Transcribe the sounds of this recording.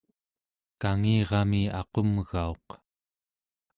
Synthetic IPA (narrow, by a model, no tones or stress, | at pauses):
kaŋiːʁɑmiɑqo̞mɣao̞q